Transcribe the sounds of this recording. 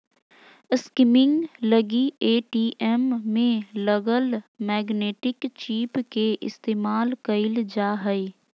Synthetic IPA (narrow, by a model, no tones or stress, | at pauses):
skɪmɪ̃ŋɡləɡieːʈiːʔɛmːẽləɡəlmɛːɡneːʈɪkt͡ʃiːpkeʔɪ̰st̪eːmaːlkəɪld͡ʒaːɦəi